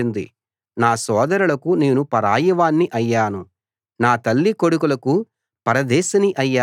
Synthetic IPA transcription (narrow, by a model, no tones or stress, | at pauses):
ind̪ḭ | naːsɔːd̪ɐɾulɐkuneːnupɐɾaːjɐʋaːnːiʔɐjːaːnu | naːt̪ɐlːikoɽukulɐku | pɐɾɐd̪ɛːsɐniʔɐjːaː